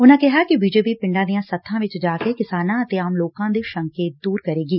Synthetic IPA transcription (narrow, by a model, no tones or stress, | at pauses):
ʊnãkɛɦakibiːd͡ʒeːpipɪ̃ɳɖãːd̪ijãsɐt̪ʰːãːʋɪt͡ʃd͡ʒaːkekɪsaːnãɐt̪eaːmloːkãːd̪iʃɐ̃ŋkeːt̪̚d̪uːɾkɐɾeːɡiː